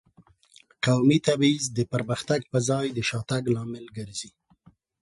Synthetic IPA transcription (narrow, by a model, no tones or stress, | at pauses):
qawmit̪abizd̪əpəɾməxt̪aɡ̚pəzɑjd̪əʃɑt̪aɡlɑmɪlɡəɾzi